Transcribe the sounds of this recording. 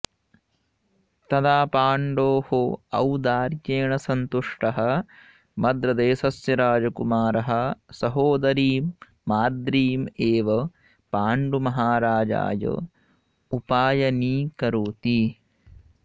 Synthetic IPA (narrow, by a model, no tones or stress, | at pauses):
t̪ɐd̪aːpaːɳɖoːhoɐ̰wd̪aːɾjeːɳɐsɐnt̪uʂʈɐɦɐ̆ | mɐd̪ɾɐd̪eːsɐsjɐɾaːd͡ʒɐkumaːɾɐɦɐ̆sɐɦoːd̪ɐɾiːmː | aːd̪ɾiːmeːʋɐ | paːɳɖumɐɦaːɾaːd͡ʒa̰ːjɐ̰ | upaːjɐniːkɐɾuːt̪i